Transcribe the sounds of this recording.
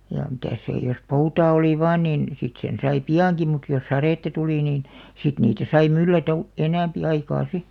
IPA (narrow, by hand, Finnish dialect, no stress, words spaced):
jɑ mitæˑs seˑ jos poutɑː oli ʋɑːn niˑn sit sen sɑi piɑˑŋki mut jos sɑreˑtːɑ tuliˑ niːn sit niːtæ sɑi mylːætæ u enæˑmpi ɑikɑː si